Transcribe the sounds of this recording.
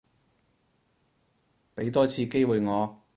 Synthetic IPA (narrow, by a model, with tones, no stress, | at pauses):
pe˨˥jt̪ɔː˥t͡sʰiː˧ke˥jwuː˨jŋɔː˨˧